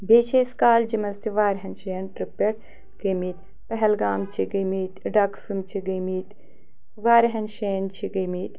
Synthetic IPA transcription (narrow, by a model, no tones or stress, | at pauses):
beːt͡ʃʰeːskaːld͡ʒimɐzt̪ʰiʋaːɾɦɐnʃeːɐnʈɾipːeʈ | ɡɐmiːt̪ | pɐɦɛlɡaːmt͡ʃʰiɡɐmiːt̪ɖaːksumt͡ʃʰiɡɐmiːt̪ | ʋaːɾɦɐnʃeːnt͡ʃʰiɡɐmiːt̪